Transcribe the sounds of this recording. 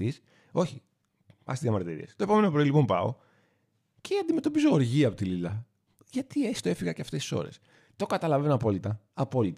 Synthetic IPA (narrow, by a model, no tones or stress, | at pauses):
is | o̞çi | pɐ̰st̪zjɐmɐɾt̪iɾḭest̪oe̞po̞me̞nopɾilipo̞mpɐo̞̰ | ceɐnd̪ime̞t̪o̞pizooɾʝiɐpot̪ililɐ | ʝɐt̪iest̪oe̞fiɣɐceɐft̪esi̥so̞̰ɾe̞̰s | t̪o̞kɐt̪ɐlɐvenɐpo̞lit̪ɐɐpo̞lit̪